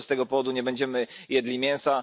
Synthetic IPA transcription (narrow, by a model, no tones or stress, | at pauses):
st̪ɛɡɔpɔvɔd̪uɲɛbɛɲd͡ʑɛmɘjɛd̪lʲimʲjɛñsa